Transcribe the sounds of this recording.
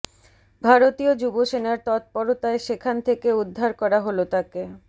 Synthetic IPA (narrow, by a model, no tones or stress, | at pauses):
bʱaɾot̪iod͡ʑuboʃenaɾt̪ɔt̪̚pɔɾot̪aeʃekʰant̪ʰekeud̪ʱːaɾkɔɾaɦolot̪ake